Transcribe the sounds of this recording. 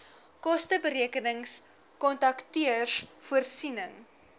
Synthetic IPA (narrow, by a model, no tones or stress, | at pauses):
kɔstəbəɾiəkənəŋs | kɔntɐktiərsfuərsinəŋ